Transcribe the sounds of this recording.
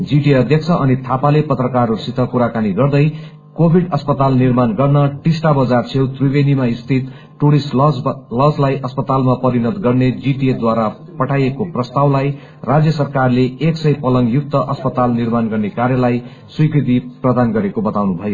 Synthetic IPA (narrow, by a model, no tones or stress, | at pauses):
d͡ziʈiʌd̪ʱjʌkt͡sʰʌʔʌnit̪ʰapalepʌt̪rʌkarusit̪ʌkuɾakaniɡʌrd̪ʌj | kobʱiɖʌspʌt̪alnirmanɡʌrnʌʈisʈabʌd͡zart͡sʰewt̪rubenimaist̪ʰit̪ | ʈuɽisʈlʌd͡zlajʔʌspʌt̪almapʌɾinʌd̪ɡʌrned͡ziʈied̪waɾa | pʌʈʰajekoprʌst̪awlaj | rad͡zjʌsʌrkarleeksʌjpʌlʌŋɡjuk̚t̪ʌʔʌspʌt̪alnirmanɡʌrnekarjʌlaj | swijkrit̪̬iprʌd̪anɡʌɾekobʌt̪awnubʱʌjo